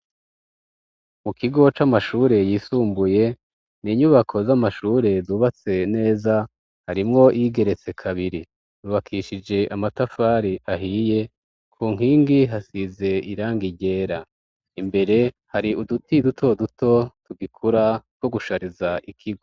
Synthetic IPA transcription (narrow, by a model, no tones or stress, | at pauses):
mukiɡo̞t͡ʃamaʃuːɾe̞jiːsuːmbuje̞ | niːɲuβakʰo̞zamaʃuːɾe̞zuːβat͡se̞ne̞ːza | haɾimŋo̞ʔiɡe̞ɾe̞t͡se̞kʰaβiɾi | ɾuβakʰiʃid͡ʒe̞ʔamatafaːɾiʔaɦije̞ | kʰuːŋ̥iːŋɡiɦasize̞iɾaːŋɡiɟe̞ːɾa | imbe̞ɾe̞ | haɾiudutidutʰo̞duto̞tuɡikʰuɾaɡwo̞ɡuʃaɾizaʔikʰiɡo